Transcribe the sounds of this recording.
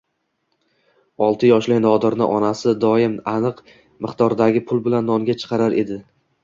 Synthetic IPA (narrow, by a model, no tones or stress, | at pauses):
ɒlˠt̪ʰɪjɒʃlɪnɒd̪ɪɾnɪʔɒnasɪd̪ɒɪmanɨq | mɪχt̪ɒɾd̪aɡʲɪpʰʊlˠbɪlanːɒŋɡʲat͡ʃʰɨ̥qʰɑɾaɾe̞d̪ɪ